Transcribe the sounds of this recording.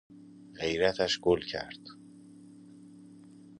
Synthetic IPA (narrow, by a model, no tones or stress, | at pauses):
ɢe̞jɾæt̪ʰæʃɡolcʰæ̰ɾd̪̥